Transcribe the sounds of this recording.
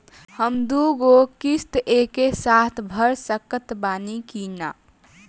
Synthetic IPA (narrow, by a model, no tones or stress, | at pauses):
həmd̪uɡokist̪ekesat̪ʰbʱəɾsəkət̪baːnikina